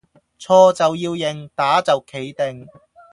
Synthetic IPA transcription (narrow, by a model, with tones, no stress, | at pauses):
t͡sʰɔː˧t͡sɐ˨wjiː˧wjɪ˨˩ŋt̪aː˨˥t͡sɐ˨wkʰe˨˥jt̪ɪ˨ŋ